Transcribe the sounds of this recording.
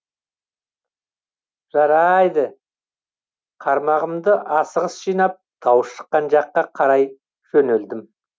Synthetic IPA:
ʒ̥ɑɾɑjd̪ə | qʰɑɾmɑʁəmd̪əʔɑsəʁəsʒ̥ijnɑp̚d̪̥ʰɑwəsʃə̥qːɑnʒɑqːɑqʰɑɾɑj | ʒ̥ɵneld̪ɪm

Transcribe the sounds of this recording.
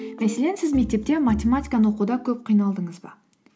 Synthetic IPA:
mæse̞le̞nsɪzme̞k̚t̪e̞p̚t̪e̞matʲe̞mat̪ʲijkɑnəwoqud̪ɑkʲʰɵp̚qʰijnɑlˠd̪əɴəzbɑ̰

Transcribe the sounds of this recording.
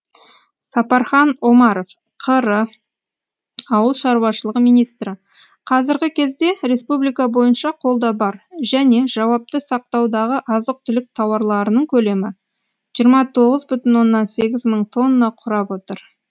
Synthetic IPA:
sɑpɑɾχɑno̞mɑɾo̞f | qʰəɾə | ɑwəlˠʃɑɾuwɑʃəlˠəʁəmijnijst̪ɾɪ | qʰɑzɪɾɡʲɪkʲʰe̞zd̪e̞ɾe̞spublijkɑbo̞jənʃɑqʰo̞lˠd̪ɑbɑɾʒæne̞ʒɑwɑp̚t̪əsɑq̚t̪ɑwd̪ɑʁəʔɑzəq̚t̪ʰʏlɪk̚t̪ʰɑwɑɾlˠɑɾənəɴkʲʰɵle̞mɪ | ʒ̥ijəɾmɑt̪ʰo̞ʁəzbʏt̪ɪnwo̞nːɑnse̞ɡʲɪzməɴt̪ʰo̞nːəːɑqʰʊɾɑpwo̞t̪əɾ

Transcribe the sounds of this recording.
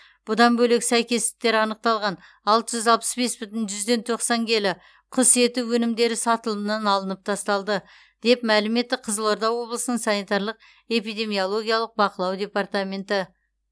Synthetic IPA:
b̥ʊd̪ɑnbɵle̞ksæjkʲe̞st̪ɪ̥k̚t̪e̞ɾɪɑnəq̚t̪ɑlˠʁɑn | ɑlˠt̪əʒʏzɑlˠpə̥sbe̞sbʏt̪ɪnʒʏzd̪e̞nt̪ʰo̞qsɑŋkʲʰe̞lɪ | qʰʊse̞t̪uwɵnɪmd̪e̞ɾɪsɑt̪əlˠəmənɑnɑlˠənəp̚t̪ʰɑst̪ɑlˠd̪ə | d̪̥e̞pmælɪme̞t̪ːɪqʰəzəlˠoɾd̪ɑwo̞blˠəsənəɴsɑnijt̪ɑɾlˠəq̚ | e̞pijd̪ʲe̞mio̞lˠo̞ɡʲijɑlˠəq̚bɑqəlˠɑwd̪ʲe̞part̪amʲe̞nt̪ə

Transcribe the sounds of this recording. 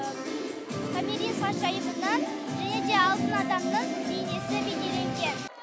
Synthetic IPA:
kʰamʲeɾʲinsɑʃɑjəmənɑn | ʒæne̞d̪e̞ɑlˠd̪ənɑd̪ɑɾnəɴd̪ejne̞sɪbejd̪e̞le̞ŋɡʲe̞n

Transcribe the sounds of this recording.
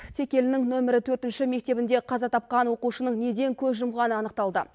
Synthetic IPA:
t̪ʰe̞kʲe̞lɪnɪŋnɵmɪɾɪt̪ʰɵɾt̪ɪnʃɪme̞k̚t̪e̞bɪnd̪e̞qʰɑzɑt̪ʰɑp̚qɑnwo̞quʃənəɴne̞d̪e̞ŋkʲʰɵzʒʊmʁɑnəɑnəq̚t̪ɑlˠd̪ə

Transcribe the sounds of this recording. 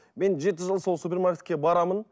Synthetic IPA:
me̞nʒe̞t̪̬ɪʒəlˠso̞lˠsupʲermarkʲe̞t̪kʲe̞bɑɾɑmən

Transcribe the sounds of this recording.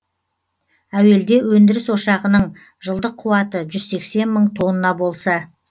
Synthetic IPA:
æwe̞ld̪e̞wɵnd̪ɪɾɪswoʃɑʁənəɴ | ʒəlˠd̪əqʰːuwɑt̪əʒʏzse̞kse̞nməɴt̪ʰo̞nənɑbo̞lˠsɑ

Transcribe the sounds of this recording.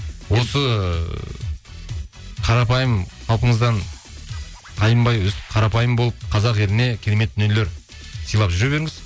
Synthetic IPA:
wo̞sə | qʰɑɾɑpɑjəmχɑlˠpəɴəzd̪ɑn | t̪ʰɑjəmbɑjʏzqʰɑɾɑpɑjəmbolˠəp̚qʰɑzɑqe̞ɾɪne̞kʲʰe̞ɾeme̞t̪̚ːɪnele̞ɾ | səjlˠɑpʒʏɾebe̞ɾɪŋɪz̥

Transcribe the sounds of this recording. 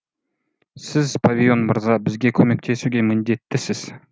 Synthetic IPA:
sɪzpʰavʲijo̞nməɾzɑbɪzɡʲe̞kʲʰɵme̞k̚t̪ʰe̞suɡʲe̞mɪnd̪e̞t̪ːɪsɪz̥

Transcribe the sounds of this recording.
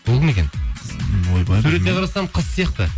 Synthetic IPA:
bolˠəme̞kʲen | ojbɑsʉɾenʲeqʰɑɾɑsɑmqʰəsːijɑqt̪ə

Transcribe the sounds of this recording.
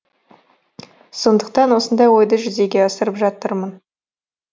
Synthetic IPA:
so̞nd̪əqt̪ɑnwo̞sənd̪ɑjwo̞jd̪əʒʏze̞ɡʲe̞ɑsəɾəpʒɑt̪əɾmən

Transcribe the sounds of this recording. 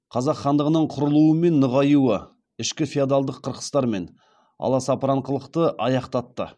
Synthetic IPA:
qʰɑzɑqχɑnd̪əʁənəɴqʰʊɾəlˠuəme̞nːəʁɑjuə | ɪʃkʲɪfiad̪alˠd̪əqʰːəɾqə̥st̪ɑɾme̞n | ɑ̰lˠɑsɑpɾɑɴqəlˠəqt̪əʔɑjɑqt̪ɑt̪ːə̰

